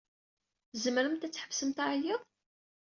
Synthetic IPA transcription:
zəməɾəmt̪æt͡sːħəvsəmt̪aʕjəðˤ

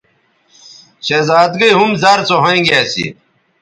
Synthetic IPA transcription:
ɕezaːd̪ɡɐiɦumzɐɾt͡soɦɐ̃ĩɡeːsḭ

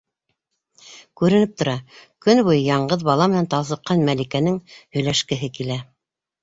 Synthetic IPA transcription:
kʉɾɘ̆nɘp̚t̪ŏɾɑkɵnbujjɑɴɢɤðbɑlˠɑmɘ̆nænt̪ɑlˠsɤ̆qːɑnmælikænɘŋhɵ̆jlæʃkɘ̆ɦɘkilæ

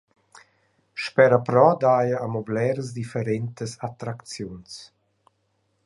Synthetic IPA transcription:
ʃpɛɾəpɾɔd̪ajəːmɔblɛːɾəs̬d̪ifəɾɛnt̪əsat̪ɾakt͡sjuns

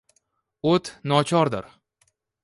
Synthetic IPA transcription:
ot̪ʰnɒt͡ʃʰɒɾd̪ɪɾ

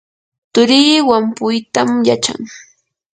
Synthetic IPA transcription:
t̪ʊɾiːwampʊjt̪amjat͡ʃa̰ŋ

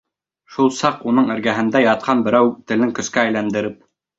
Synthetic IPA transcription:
ʃulˠsɑqunɤɴɘ̆ɾɡæɦɘ̆nd̪æjɑt̪̚qɑnbɘ̆ɾæwt̪ɘ̆lɘŋkɵ̆skæːjlænd̪ɘ̆ɾɘp̚

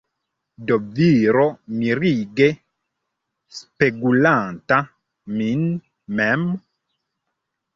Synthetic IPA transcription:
dɔviɾɔmiɾiɡe | speɡulanta | min | mɛm

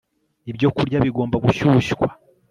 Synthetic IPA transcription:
ibɟo̞kuɾɟaβiɡo̞ːmbaɡuʃuʃikwḁ

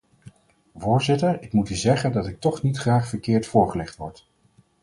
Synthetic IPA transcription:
vʊːɹzɪtəɹɪkmutyzɛχəndɑtɪk̚tɔχnitχraːχfəɹkɪːɹtfʊːɹχəlɛχtʋɔɹt

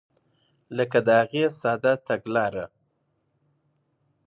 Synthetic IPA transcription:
ləkad̪əhaɣesɑd̪at̪aɡlɑɾa

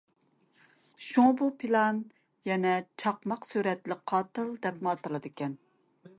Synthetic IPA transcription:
ʃuŋbupʰilˠɑn | jɛnɛt͡ʃʰɑqmɑqsyɾɛt̪lɪqʰɑːt̪ɨlˠd̪ɛpmɑt̪ɨlˠɨd̪ɨkʲɛn

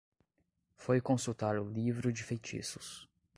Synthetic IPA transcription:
fojkõsut̪aɾʊlivɾʊd͡ʒɪfejt͡ʃḭsʊ̥s

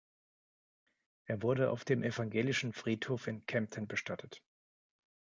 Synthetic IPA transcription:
ʔeːɐvʊɐɾəa̰ʊfd̥eːmʔɛfaŋɡeːlɪʃn̩fʁ̥iːthoːfɪnkʰɛmp̚tʰənbəʃtatʰət

